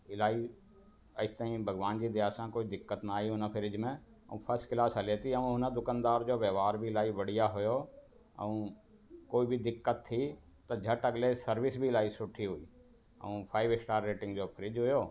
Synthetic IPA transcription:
ɪlaːi | ɐt̪aːĩbʱɐɡʋaːnd͡ʑid̪ɪjaːsãkoːid̪ɪkːət̪naːiɦʊnəpʰɪɾɪd͡ʑmẽ | ɐ̰ũpʰɐɾsʈkɪlaːsɦɐlet̪iɐũɦʊnəd̪ʊkəːnd̪aːɾd͡ʑoːʋjɐʋaːɾbʱiɪlaːiʋɐɽ̤ijaɦʊjoː | ɐ̰ũ | koːibʱid̪ɪkːət̪ʰːi | t̪ɐd͡ʑʱɐʈɐɡlesɐɾʋɪsbʱilaːisʊʈʰːiɦʊiː | ɐ̰ũpʰaːɪʋɪksʈaːɾːeːʈɪ̃ŋɡd͡ʑoːpʰɪɾɪd͡ʒɦʊjoː

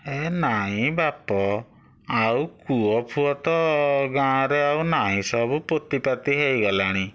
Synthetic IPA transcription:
enaĩbapɔ | awkuɔpʰuɔt̪ɔɡãɾeawnaĩsɔbupot̪ipat̪iɦejɡɔlaɽ̃i

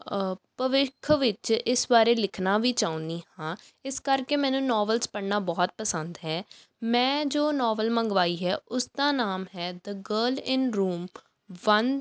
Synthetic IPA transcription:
pəʋɪkʰʋɪt͡ʃɪsbaːɾeːlɪkʰnaːʋiːt͡ʃaːũnd̪iːɦãː | ɪskəɾkeːmɛ̃ːnũːnɔːʋəlspəɽnaːbɔːt̪̚pəsənd̪ɦɛː | mɛ̃ːd͡ʒoːnɔːʋəlməŋɡʋaːiːɦɛːʊsd̪aːnaːmɦɛːd̪əɡəːlɪnɾuːm | ʋən

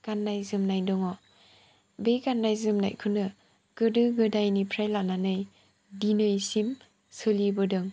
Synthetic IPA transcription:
ɡ̥anːajzɯmnajdɔŋɔ | beɡanːajzɯmnajkʰɯnɯ | ɡ̥ɯdɯɡɯdajnipʰɾajlananɯj | dinɯjsim | sɯlibɯdɯŋ

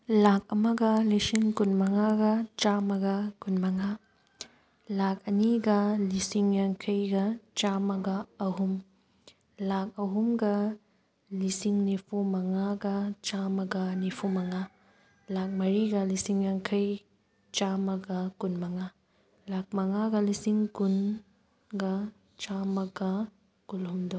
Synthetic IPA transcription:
lak̚ɐmɐɡɐlisiŋkunmɐŋaɡɐt͡ʃamɐɡɐkunmɐŋa | lakʰɐniɡɐlisiŋjɐŋkʰɐjɡɐt͡ʃamɐɡɐːɦum | lak̚ɐɦumɡɐ | lisiŋnipʰumɐŋaɡɐt͡ʃamɐɡɐnipʰumɐŋa | lak̚mɐɾiɡɐlisiŋjaŋkʰɐj | t͡ʃamɐɡɐkunmɐŋa | lak̚mɐŋaɡɐlisiŋkun | ɡɐ | t͡ʃamɐɡɐ | kulumdo

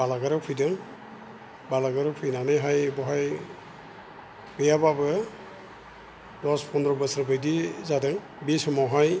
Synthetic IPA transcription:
balaɡɯɾɔpʰujdɯŋ | balaɡɯɾɔpʰujnanɯjɦajbɔɦaj | bɯjababɯ | dɔspʰɔndɾɔbɯsɾbɯjdizadɯŋ | bisɔmɔwɦaj

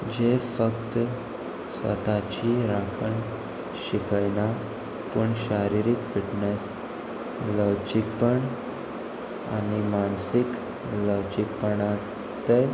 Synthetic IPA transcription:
d͡ʑefəkt̪ | sʋə̰t̪at͡ɕiːɾakʰəɳ | ɕikajna | pəɳɕaɾiɾikfiʈnes | ləʋd͡ʑik̚pəɳ | a̰nimansik | ləʋd͡ʑik̚pəɳa | t̪e

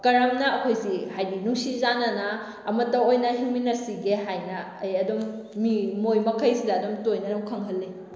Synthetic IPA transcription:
kɐɾɐmnɐɐkʰojsihajdinuŋsizanɐnɐː | mɐtːɐojnɐɦiminɐɾsiɡeɦajnɐːjɐdomːimojmɐkʰɐjsidɐːdomtojnɐnɐwkʰɐŋɦɐlːe

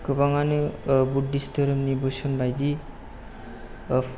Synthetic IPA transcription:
kɯbaŋanɯbudːistəɾɯmnibɯsɔnbajd̪i

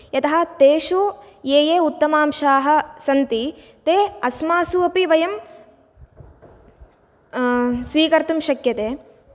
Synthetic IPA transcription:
jɐt̪ɐɦɐ̆t̪eːʃujeːjeːut̪ːɐmaːmʃaːɦɐ̆sɐnt̪i | t̪eːɐsmaːsuɐpiʋɐjɐm | sʋiːkɐɾt̪umʃɐkjɐt̪eː

